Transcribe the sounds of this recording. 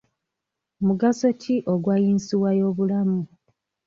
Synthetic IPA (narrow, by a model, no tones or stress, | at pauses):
muɡaso̞tʰiʔoɡwajinsiwajo̞ːβulamu